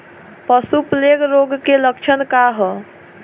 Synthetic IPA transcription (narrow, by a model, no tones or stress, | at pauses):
pəsupleɡɾoɡkelək̚t͡ʃʰənkaɦə